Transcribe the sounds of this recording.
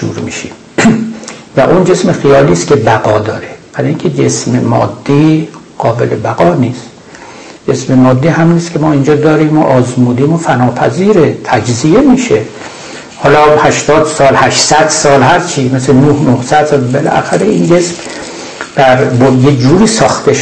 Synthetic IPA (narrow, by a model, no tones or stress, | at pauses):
ṵːɾmḭʃim | væ̰ʔund͡ʒe̞smexijɒːliːskʲe̞bæɣɒːd̪ɒːɾeb̥æɾːiŋcʰed͡ʒe̞smemɒ̰ːd̪ːiː | ɡ̥ɒːbe̞̰lebæɣɒːniːs | d͡ʒesmemɒːd̪ːiːɦæmiːniskʲʰemɒːind͡ʒɒːd̪ɒːɾiːmːo̰ʔɒːzmuːd̪iːmofænɒːpʰæ̰ziːɾet̪ʰæd͡ʒzije̞miːʃe | hɒːlɒːhæʃt̪ɒːd̪sɒːlhæʃsæd̪̥sɒːlhæɾt͡ʃʰimeslenohnohsæd̪̥sɒːlbelæ̰xæɾeiːnd͡ʒe̞sm | d̪̥æɾbojed͡ʒuːɾiːsɒːxt̪ʰeʃ